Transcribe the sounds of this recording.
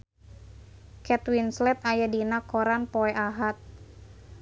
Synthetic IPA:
kɛt̪winslɛt̪ajadinakːoɾanpɔɛʔaɦat̪̚

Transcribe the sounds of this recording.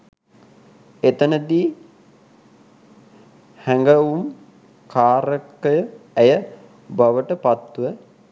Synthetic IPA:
et̪ənəd̪iː | hæŋɡəum | kʰaːɾəkəjəæjə | baʋəʈəpat̪ːuʋə

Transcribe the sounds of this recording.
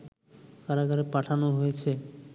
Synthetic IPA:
kaɾaɡaɾepaʈʰanoɦojet͡ɕʰe

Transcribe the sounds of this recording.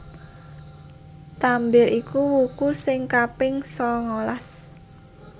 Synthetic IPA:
t̪ambɪɾikuwukusɪŋkapɪŋsɔŋolas

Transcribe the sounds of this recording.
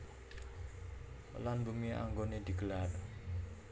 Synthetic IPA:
lanbumiʔa̰ŋɡoned̪̥i̤ɡ̥əlar

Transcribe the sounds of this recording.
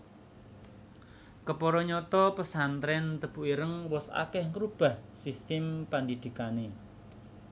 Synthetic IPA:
kəpɔɾɔɲɔt̪ɔpəsant̪ɾɛnt̪əb̥uiɾəŋwɔsa̰kɛhŋəɾub̥a̤hsist̪ɪmpand̪id̪̥i̤kane

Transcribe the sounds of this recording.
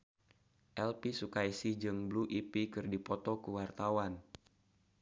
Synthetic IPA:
ʔɛlpisukajsihd͡ʒɨŋbluʔipikɨrdipɔt̪ɔkuwart̪awan

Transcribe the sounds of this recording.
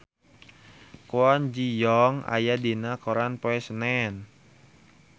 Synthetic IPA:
kwand͡ʒijɔŋa̰jadinakɔɾanpoɛsnɛn

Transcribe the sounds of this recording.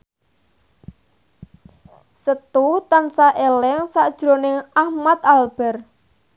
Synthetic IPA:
sət̪ut̪ansaʔelɛŋsaʔd̥ʒ̥ɾoneŋahmat̪̚alb̥ɛ̤r

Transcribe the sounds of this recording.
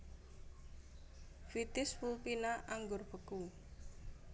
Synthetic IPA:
fit̪ɪspulpinaʔaŋɡʊrpəku

